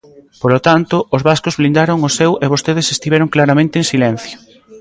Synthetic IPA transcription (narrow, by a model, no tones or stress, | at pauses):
polot̪ant̪ʊʔʊzβaskozβlind̪aɾʊŋʊsɛweβ̞ost̪eðesest̪iβɛɾoŋklaɾamẽnt̪eŋsilɛn̟θjo